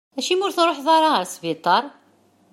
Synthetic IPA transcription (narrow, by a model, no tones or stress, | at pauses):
æʃimʊɾθnɾˤoħðˤɑɾˤɑəɾsvit̪ˤːɑɾˤ